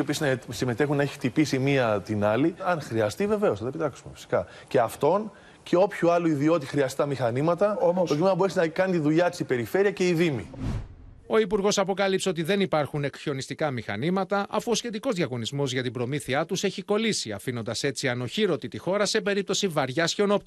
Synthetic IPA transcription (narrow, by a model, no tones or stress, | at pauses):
opisznsime̞t̪e̞xunːɐeçi̥t̪ipisimiɐt̪inɐliɐnxɾiɐst̪ive̞ve̞o̞sɐt̪ɐepit̪ɐksumefi̥si̥kɐ | ce̞ɐft̪o̞n | ceo̞pçuɐluiðio̞t̪ixɾiɐst̪it̪ɐmixɐnimɐt̪ɐt̪ocimenɐboɾesinɐkɐnit̪iðuʎɐt̪isipe̞ɾife̞ɾiɐce̞iðimḭ | o̞ipuɾɣo̞sɐpo̞kɐlipseo̞t̪̬iðe̞nipɐɾxune̞ksio̞nist̪ikɐmixɐ̰nimɐt̪ɐʔɐfuo̞sçe̞t̪iko̞zðʝɐɣo̞nizmo̞zʝɐt̪ibɾo̞miθiɐt̪use̞çiko̞lisiɐ̰fino̞nd̪ɐse̞t͡siɐno̞çiɾo̞t̪it̪ixo̞ɾɐse̞pe̞ɾip̚t̪o̞sivɐɾʝɐsçeono̞pt̪